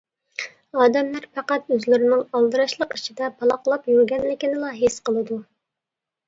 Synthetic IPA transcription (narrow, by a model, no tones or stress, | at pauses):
ɑːd̪ɛmlæɾpʰɑqɑt̪øzlɪɾɪnɪŋɑlˠd̪ɨɾɑʃlˠəqit͡ʃʰid̪ɛpʰɑlˠɑqlˠɑpjyɾɡʲɛnlɪkʲinɪlˠɑɦesqəlˠɨd̪u